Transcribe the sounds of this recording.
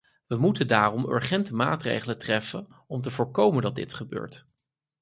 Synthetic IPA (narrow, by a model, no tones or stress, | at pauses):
ʋəmutəndaːrɔmø̰ɹχɛntəmaːtrḛjχələtrɛfən | ɔmt̬əvʊːɹkowməndɑt̚dɪ̰tχəbø̰ːɹt